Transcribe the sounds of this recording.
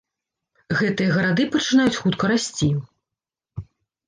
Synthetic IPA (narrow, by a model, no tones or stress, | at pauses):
ɣɛt̪ɨjɐɣɐɾad̪ɨpɐt͡ʂɨnajut͡sʲxut̪kɐɾasʲt͡sʲi